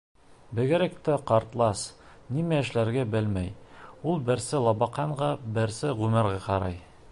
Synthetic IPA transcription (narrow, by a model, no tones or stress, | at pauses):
bɘ̆ɡɘ̆ɾæk̚t̪æqɑɾt̪lˠɑs | nimæɘ̆ʃlæɾɡæbɘlmæjulˠbɘ̆ɾsɘlˠɑbɑqɑɴʁɑbɘ̆ɾsɘʁʉmɘ̆ɾʁɑqɑɾɑj